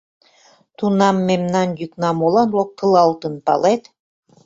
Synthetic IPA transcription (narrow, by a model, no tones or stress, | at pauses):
t̪unɑmːemnɑnjyknɑmolˠɑnlok̚t̪ɤlˠɑlt̪ɤ̆npɑ̰let̪